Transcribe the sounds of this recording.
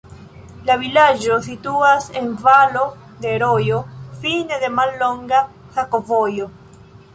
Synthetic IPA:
laβilaʒosit̪uaseɱvalo | d̪eɾojofineðemalːoŋɡa | xakovojo

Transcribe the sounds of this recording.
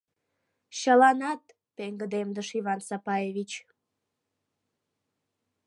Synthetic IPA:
ɕəlɑnɑt̪ | peŋɡəd̪emd̪əʃiβɑnsɑpɑeβit͡ɕ

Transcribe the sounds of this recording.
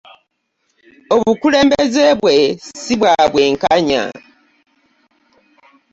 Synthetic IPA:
o̞βukule̞ːmbeze̞βwe̞siβwaβwe̞ːŋkaɲa̰

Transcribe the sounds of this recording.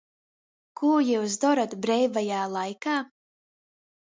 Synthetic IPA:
kuɔjɛws̬d̪ɔɾat̪bɾɛjvajaːlˠajkaː

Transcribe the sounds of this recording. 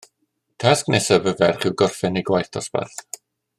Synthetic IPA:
tʰasknɛsabəvɛrχɪwɡɔrfɪniɡwajθtʰɔsba̰θ

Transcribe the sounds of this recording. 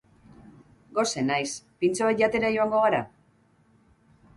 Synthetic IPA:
ɡo̞se̞najspint͡soβat̪ʝat̪e̞ɾajo̞aŋɡo̞ɣ̞aɾa

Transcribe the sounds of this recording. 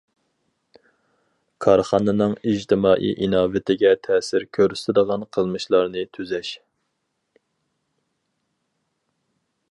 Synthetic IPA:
kʰɑɾχɑnɨnɨŋid͡ʒt̪ʰɪmɑːʔḭʔinɑːvɪt̪ʰɪɡʲɛt̪ʰɛːsɪɾkʲʰøɾyst̪ɪd̪əʁɑnqʰəlˠmɨʃlˠɑɾnɨt̪ʰyzɛʃ

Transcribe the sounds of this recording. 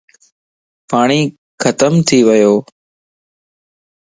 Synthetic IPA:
paːɳ̃iː | kʰət̪əmt̪ʰiːʋəjoː

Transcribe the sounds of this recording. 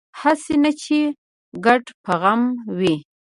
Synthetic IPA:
hasenat͡ʃe | ɡaʈpaɣamwi

